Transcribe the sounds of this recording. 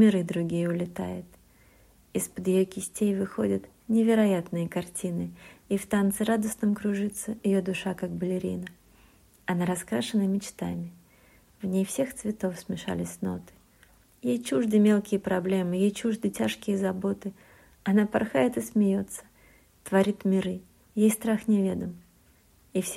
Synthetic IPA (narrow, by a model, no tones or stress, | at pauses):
mʲɪɾɨd̪ɾʊɡʲijəʊlʲɪt̪a̰jɪt̪ | ɪspəd̪jɪjokʲɪsʲtʲejvɨxo̞dʲɪt̪ | nʲɪvʲɪɾɐjat̪nɨjəkɐrtʲinɨift̪ant̪sɨɾad̪əsnəmkɾʊʐɨt̪sːəɪjo̞d̪ʊʂakak̚bəlʲɪɾʲḭnə | ɐnaɾɐskɾaʂɨnəmʲɪt͡ɕt̪a̰mʲɪ | vnʲejfsʲe̞xt̪svʲɪt̪o̞fsmʲɪʂa̰lʲɪsʲno̞̰t̪ɨ̥ | jejt͡ɕuʐd̪ɨmʲe̞lˠkʲɪjəpɾɐblʲemɨjejt͡ɕuʐd̪ɨtʲaʂkʲɪjəzɐbo̞t̪ɨ | ɐnapɐ̰rxajɪt̪ɨsmʲɪjo̞t̪sə̥ | t̪vɐɾʲit̪mʲɪɾɨ | jejst̪ɾaxnʲɪvʲe̞d̪əm | ifsʲ